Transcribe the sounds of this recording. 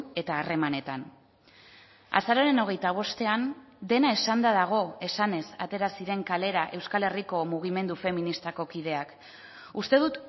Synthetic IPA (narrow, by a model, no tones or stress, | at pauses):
e̞t̪aːre̞mane̞t̪an | a̰saɾaɾe̞no̞ɣ̞e̞jt̪aβ̞o̞st̪e̞an | d̪e̞nae̞sand̪aðaɣ̞o̞e̞sane̞sat̪e̞ɾasiɾe̞ŋkale̞ɾaʔe̞wskale̞riko̞muɣ̞ime̞nd̪ufe̞minist̪ako̞kið̞e̞ak | ust̪e̞ðut̪